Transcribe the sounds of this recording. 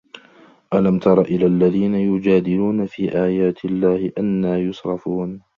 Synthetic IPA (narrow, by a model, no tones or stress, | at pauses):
ʔalamt̪ɑɾˤɑʔɪlaʔlːaðiːnajʊd͡ʒaːd̪ɪluːnafiːʔaːjaːt̪ʰɪlːaːhɪʔanːaːjʊsɾˤɑfuːn